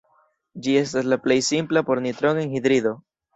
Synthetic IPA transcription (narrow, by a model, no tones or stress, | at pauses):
d͡ʒie̞staslaple̞jsimplapo̞ɾnit̪ɾoŋeŋhid̪ɾid̪o̞